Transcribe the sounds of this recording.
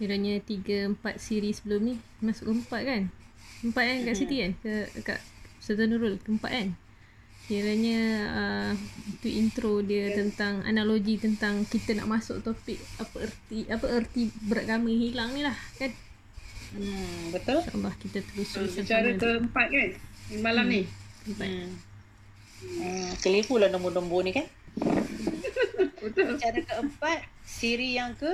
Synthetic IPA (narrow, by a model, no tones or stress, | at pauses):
miɾaɲət̪iɡəəmpat̪̚siɾisəbəlʊmni | masʊʔkəmpat̪̚kan | əmpat̪̚ankaʔsitikankəka̰ʔsət̪ənuɾʊlkəəmpa̰ʔ̪an | miɾaɲə̃əut̪uʔint̪ɾodiət̪ənt̪aŋa̰naʔloɡit̪ənt̪aŋkit̪əna̰ʔmasʊ̰ʔ̚t̪opɪk̚apəərt̪iʔapəərt̪ibəɾaʔɡamə̃hilaŋnilahkan | əbət̪ʊlʃa̰ʔə̰lːɑhkit̪ət̪əlusuant͡ʃaɾəkəəmpat̪̚kanmalamniəəmpat̚ | kəlifulahdəmudɔmbonikan | bət̪ʊlt͡ʃaɾəkəəmpat̪̚siɾijaŋkə